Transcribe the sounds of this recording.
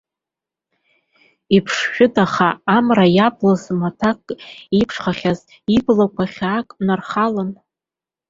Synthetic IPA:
ipʰʂʃᶣʊdaχaːmrajablazmatʰakʼipʰʂχaχʲaz | iblakʷʰaχʲːkʼnarχalan

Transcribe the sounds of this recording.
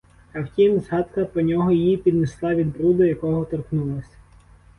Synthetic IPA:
ɐwtʲimzɦɑt̪kɐpɾɔnʲɔɦɔjɪjipʲid̪neslˠɑʋʲid̪bɾud̪ʊjɐkɔɦɔt̪ɔrknulˠɐsʲɐ̥

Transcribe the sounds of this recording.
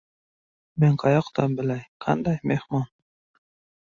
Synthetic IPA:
menqʰɑjɑqt̪ɑmbɪlæjqʰɑ̰nd̪ɑjmehmɒn

